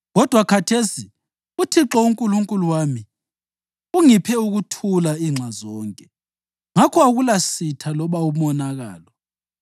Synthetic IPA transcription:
ɣɔd̥ʱwakʰatʰesi | utʰiǁɔuŋkʼuluŋkʼuluwaːmi | uŋipʰɛuɣutʰulaiŋ͡ǁʱazɔːŋkʼɛ | ŋakʰɔaɣulasitʰalɔβaumɔnaɣa̰ːlɔ

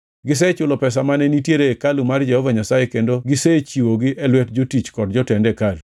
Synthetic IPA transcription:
ɡɪs̬ɛt͡ʃʊlɔpɛs̬amanɛnitjeɾeːkalumard͡ʒɛhɔvaɲasajekendoɡɪset͡ʃiwoɡiʔɛlwɛtd͡ʒotit͡ʃkɔdd͡ʒɔtɛndɛkalu

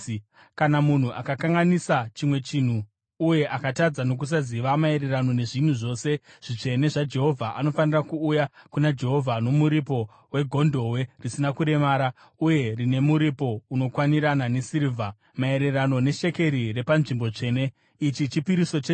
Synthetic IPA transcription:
kanamun̤uʔakakaŋɡanisat͡ʃimwe̞t͡ʃin̤uː | je̞ʔakatad͡zano̞k̬us̬aziʋamae̞ɾe̞rano̞ne̞ʐin̤uʐo̞ːse̞ʐ̥it͡ʂe̞ne̞ʐad͡ʒe̞ɦo̞vʱaʔano̞fanirakuːjakunad͡ʒe̞ɦo̞vʱano̞muɾipo̞ | we̞ɡʱo̞ndʱo̞we̞risinakuɾe̞maːɾa | uje̞rine̞muɾipo̞uno̞kwaniɾananesiɾivʱa | mae̞ɾe̞rano̞ne̞ʃe̞ke̞ɾire̞panʐimbo̞t͡ʂe̞ːne̞ | it͡ʃit͡ʃipiɾiso̞t͡ʃe

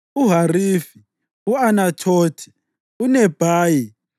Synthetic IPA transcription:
uɦarifi | uanatʰoːtʰi̥ | unɛb̥ʱaːji

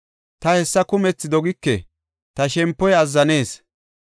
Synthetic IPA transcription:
t̪ɐhɛsːɐkʊmɛt͡sːɪd̪ɔɡɪkːɛ | t̪ɐʃɛmpːɔjɐzːɐne̞ːs

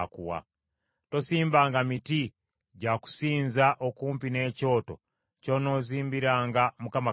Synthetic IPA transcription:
kṵwa̰ | to̞siːmbaːŋɡamiti | ɟaku̥siːnzaʔokuːmpine̞ːco̞ːto̞̰ | co̞no̞ːziːmbiɾaːŋɡamukama

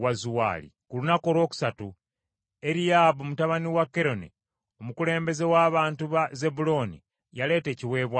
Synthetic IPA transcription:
wazuwa̰ːlḭkulunako̞lwo̞ːku̥satu | e̞ɾijaβomutaβaniwakːe̞ɾo̞nḛ | o̞mukule̞ːmbe̞ze̞waːβaːntuβaze̞bulo̞nḭ | jale̞ːte̞ːciwe̞ːβwa

